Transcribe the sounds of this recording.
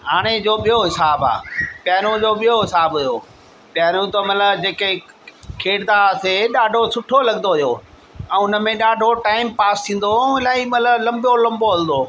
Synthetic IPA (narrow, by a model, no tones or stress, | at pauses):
ɦaːɽ̃ed͡ʑoːɓijoɦɪsaːba̰ːpjaːɾ̃ũd͡ʑoɓijoɦɪsaːbɦʊjoː | pjaːɾũt̪omɐt̪ləbd͡ʑeːke | kʰeːɽd̪aseɗaːɖʱosʊʈʰolɐɠnd̪oɦʊjoː | ɛ̃ːʊnə̆mẽɗaːɖʱoʈaːɪmpaːst̪ʰĩːn̆d̪oɪlaːimɐt̪ləblɐ̃mbjolɐ̃mboɦɐld̪oː